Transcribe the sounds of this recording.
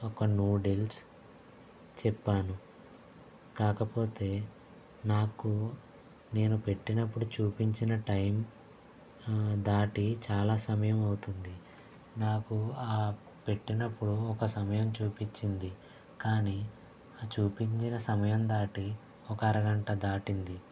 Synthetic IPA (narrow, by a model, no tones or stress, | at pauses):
ɔkɐnjuːɖils | t͡ʃɛpːaːnu | kaːkɐpo̞ːt̪e̞ː | naːku | ne̞ːnupe̞ʈːinɐpːuɽut͡ʃuːpiɲt͡ʃinɐʈɐjm | d̪aːʈit͡ʃaːlaːsɐmɐjɐmɐwut̪und̪i | naːkuaː | pe̞ʈːinɐpːuɽuɔkɐsɐmɐjɐmt͡ʃuːpit͡ʃːind̪i | kaːniː | t͡ʃuːpiɲt͡ʃinɐsɐmɐjɐmd̪aːʈi | ɔkɐɐɾɐɡɐɳʈɐd̪aːʈind̪i